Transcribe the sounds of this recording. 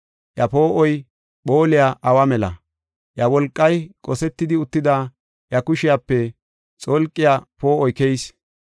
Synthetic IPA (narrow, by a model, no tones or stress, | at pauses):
ʔjɐpoːʔɔj | ɓoːlɪjaʔɐwɐmɛlɐ̰ | ʔjɐwɔlkʼːɐjkʼɔsɛt̪ːɪd̪ɪʊt̪ːɪd̪aː | jɐkʊʃɪjapːɛ | t͡sʼolkʼːɪjapo̞ːʔɔjkɛjs